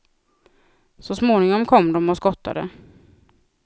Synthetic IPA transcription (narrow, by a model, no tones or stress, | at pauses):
sɔsmoːnɪŋɔmkʰɔmːd̪ɔmɔskɔt̪ʰːa̰d̪ə̰